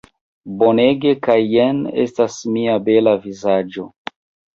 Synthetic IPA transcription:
bo̞ne̞ɡe̞kajːenḛstasmiabe̞lavizad͡ʒo̞̰

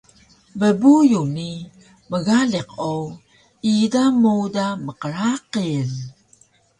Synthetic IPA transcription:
bəbujuni | məɣaɮiqow | idamudaməqəɾaqil

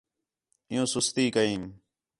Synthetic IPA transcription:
ɪjõːsʊst̪iːkəĩːm

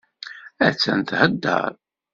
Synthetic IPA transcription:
æt͡sːæ̰nt̪həd̪ːə̰ɾˤ

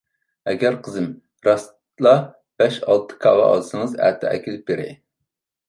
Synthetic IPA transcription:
ɛɡʲæɾqʰəzɨm | ɾɑst̪ | lˠɑ | b̥ɛʃɑ̰lˠt̪ʰɨ̥kʰɑwɑ̰ɑ̰d̪ɨsɨŋɨzæ̰ːt̪ʰɛɛ̰kʲʰilɪp̚beɾɪ̰

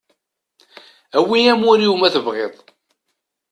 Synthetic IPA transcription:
æwiæmuɾjumæθəvʁeðˤ

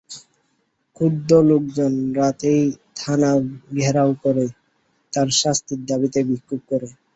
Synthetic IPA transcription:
kʰud̪olok̚d͡ʑonɾat̪ejt̪ʰanaɡʱɛɾawkɔɾe | t̪aɾʃast̪iɾd̪abit̪ebikʰːup̚kɔɾe

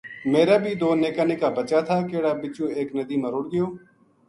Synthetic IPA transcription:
meːɾaːbʱiːd̪oːneːkaːneːkaːbət͡ʃaːt̪ʰaːkeːɽaːbɪt͡ʃũːeːknəd̪iːmãːɾʊɽɡɪjoː

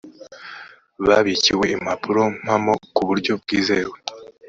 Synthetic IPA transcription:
βaβiciwe̞imapʰuɾo̞m̥hamo̞kuβuɾɟo̞b̚ɡiːze̞ːwe

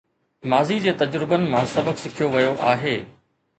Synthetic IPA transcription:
maːzid͡ʑeːt̪ɐd͡ʑɾɪbənɪ̆mãsɐbəksɪkʰijoʋɐjoʔaːɦeː

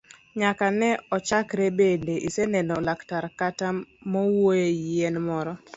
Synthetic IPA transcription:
ɲakanɛɔt͡ʃakɾɛbendeʔisenɛndɔlaktaɾkatamɔwojeenmɔɾɔ

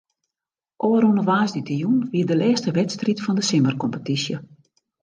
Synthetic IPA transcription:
ʔoːɾunəʋaːzditəjunʋiədəlɛːstəʋɛtstritfɔndəsɪmərkɔmpətisjə

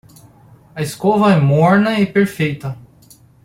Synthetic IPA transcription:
ɐɪskovɐɛmɔɾnɐɪpeɾfejt̪ɐ

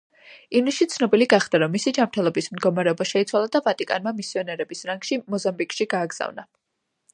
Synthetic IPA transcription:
iniʃit̪sʰnɔbiliɡaχd̪aɾɔmːisid͡ʒamɾt̪ʰɛlˠɔbismd̪ɡɔmaɾɛɔbaʃɛit̪sʰwalˠad̪avat̪ʼikʼa̰nmamisiɔnɛɾɛbisɾaŋɡ̥ʃimɔzambikʼʃiɡaːɡz̥a̰vna

